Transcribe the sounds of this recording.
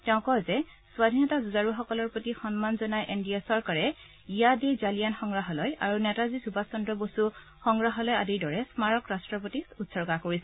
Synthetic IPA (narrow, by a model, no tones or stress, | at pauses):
tɛʊ̃kɔzɛ | swadʱinɔtazuzaɹuxɔkɔlɔɹpotixɔnmanzɔnajʔendijasɔɹkaɹɛ | ijadezalijanxɔŋɡɹaɦɔlɔja̰ɹunɛtazizubasɔndɹɔbosu | xɔŋɡɹaɦɔlɔjadiɹdɔɹɛsmaɹɔkɹastɹɔp̬otisutsɔɹkakoɹisɛ